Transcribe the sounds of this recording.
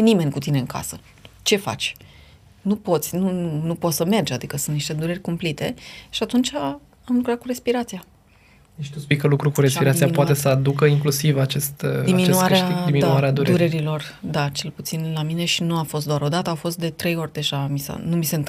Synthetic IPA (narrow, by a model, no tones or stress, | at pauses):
nime̞nʲkut̪ine̞ɨŋkʰa̰sə | t͡ʃe̞fa̰t͡ʃʲ | nupo̞t̪sʲnunupot̪səme̞rd͡ʒad̪ikəsunt̪niʃt̪e̞d̪uɾerʲkumplit̪e̞ʃiat̪unt͡ʃa | amlukɾat̪̚kuɾe̞spiɾat̪sija | eʃt̪uspijkəlukɾukuɾespiɾat̪siapoat̪e̞səad̪ukəiŋklusivat͡ʃest̪d̪iminuaɾeʃaiminuaɾead̪uɾuɾeɾilo̞r | d̪at͡ʃe̞lput̪sinlamine̞ʃinuafo̞s̬t̪d̪oaɾo̞d̪at̪əawfo̞st̪̚d̪e̞t̪ɾe̞jo̞rʲd̪e̞ʒamisa̰numisent̪